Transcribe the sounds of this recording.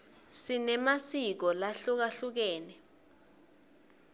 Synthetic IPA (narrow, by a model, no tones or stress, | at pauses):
sinɛmasik̬ɔlaɬuk̬aɬuk̬ɛːnɛ